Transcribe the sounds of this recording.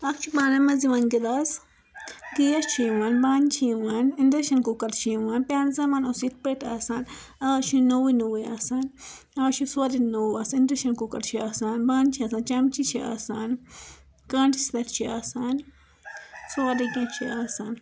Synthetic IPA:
akt͡ʃibanemaziwanɡid̪as | ɡijast͡ʃʰiwanbant͡ʃʰiwanindɾeʃankukaɾt͡ʃiwanpeanzamanosit̪̚pet̪asan | aɡat͡ʃinowinuwiasan | aaʃisuaɾinowasindɾeʃankukaɾt͡ʃiasanbant͡ʃiasant͡ʃamt͡ʃit͡ʃia̰san | kant͡ʃisd̪eɾt͡ʃiasan | suaɾikat͡ʃʰiasan

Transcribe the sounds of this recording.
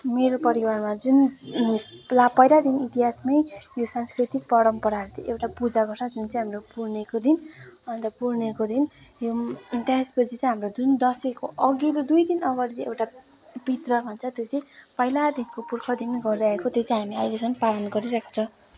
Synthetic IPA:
meɾopʌɾiwarmad͡zun | lapʌjlad̪init̪iɦasmʌjjosanskrit̪ik̚pʌɾʌmpʌɾaɾut͡sʌj̃ewʈapud͡zaɡʌɾsad͡zunt͡sʌj̃ɦamropuɾnekod̪inʌnt̪ʌpuɾnekod̪injot̪aspʌt͡sʰit͡sʌ̃j̃ɦamrod͡zund̪ʌsekoʔʌɡilod̪ujd̪inʌɡʌɾit͡sĩewʈa | pit̪rʌbʱʌnt͡sʰʌt̪jot͡sʌj̃pʌilad̪inkopurkʰʌd̪inɡʌrd̪eaekot̪jot͡sʌ̃ĩɦamiajlesʌnpalʌnɡʌɾiɾakʰo̥t͡sʰʌ

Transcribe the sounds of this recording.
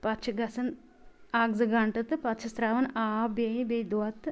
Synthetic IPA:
pɐt̪t͡ʃʰɐɡɐsɐn | aːɡzɐɡaɳʈɐt̪ɨpɐt̪t͡ʃʰɐst̪ɾaːʋɐnaːbɐjibejd̪wat̪

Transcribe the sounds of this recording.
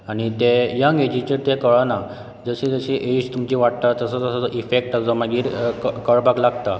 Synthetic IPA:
aɽ̃it̪ejãŋɡed͡ʑit͡ɕəɾt̪ekəɭana | d͡zəɕed͡zəɕeʔeit͡ɕt̪umt͡ɕiːʋaʈ̚t̪at̪əsət̪əsəʔifek̚ʈasɔmaɡiːɾkəɭbaklaɡt̪a

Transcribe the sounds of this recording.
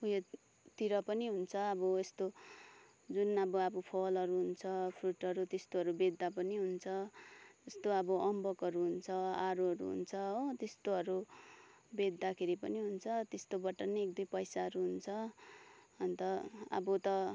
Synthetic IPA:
uje | t̪iɾʌpʌniɦunt͡sʰʌʌbʌest̪o | d͡zunʌbʌabʌpʰʌlʌɾuɦunt͡sʰʌpʰruʈʌɾut̪est̪oɦʌɾubed̪ːapʌniɦunt͡sʰʌest̪oʌbʌʔʌmbʌkʌɾuɦunt͡sʰʌaɾuɦʌɾṵɦṵnt͡sʰʌɦt̪est̪oɦʌɾu | bed̪ːakʰeɾipʌniɦunt͡sʰʌt̪est̪obʌʈʌneekd̪ujpʌjsaɦʌɾuɦunt͡sʰʌ | ʌnt̪ʌʌ̰bʌt̪ʌ

